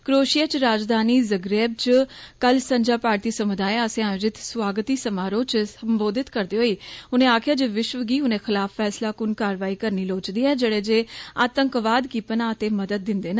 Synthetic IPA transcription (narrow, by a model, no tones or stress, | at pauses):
kɾoːʃijat͡ʃɾaːd͡ʒd̪aːniːzəɡɾeːb̚t͡ʃkəlsəɲd͡ʒaːpaːɾt̪iːsəmʊd̪aːeəsẽãːʊd͡ʒɪt̪swaːɡət̪iːsəmaːɾõːt͡ʃsəmboːd̪ɪt̪kəɾd̪eːɦoːiːʊnẽːaːkʰjaːd͡ʒeːʋɪʃʋəɡiːʊnẽːxʰɪlaːfʰːɛːslaːkʊnkaːɾʋaːiːkəɾniːloːt͡ʃd̪iːɛːd͡ʒeːɽeːd͡ʒeːaːt̪əŋkʋaːd̪kiːpənaːət̪eːməd̪əd̪̚ːɪ̃nd̪eːn